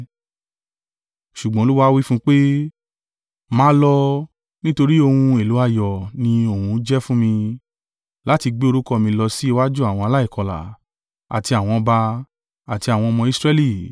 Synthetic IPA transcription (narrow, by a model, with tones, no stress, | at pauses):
ʃu˨ɡ͡bɔ̃˨˦lu˦wa˦wi˦fũ˦k͡pe˦ | mãː˨˦lɔ˧ | nĩ˦to˧ɾi˦o˧hũũ˧e˨lu˨˦a˦˧˨jɔ˨nĩ˧o˨hũ˧˦d͡ʒɛ˦fũ˦mĩ˧ | la˨˦ti˧ɡ͡be˦o˧ɾu˦kɔ˦˧˨mĩ˧lɔ˧si˦i˦˧wa˦d͡ʒu˦a˨w̃ɔ̃˧a˧la˦i˦˨kɔ˧˨la̰˨ | a̰˨ti˧a˨w̃ɔ̃˧ba˧ | a˨ti˧a˨w̃ɔ̃˧ɔ˧mɔ̃˧i˦˧sɾɛ˧˦li˦˨